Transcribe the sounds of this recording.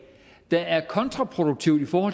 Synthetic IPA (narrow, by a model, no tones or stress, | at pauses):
d̥ɑ̈æɐkʰɒ̽nt͡sʰʁɑ̈pʰʁo̝d̥uɡ̥̚t͡sʰiʊ̰d̥ifɒːhɒ̰̽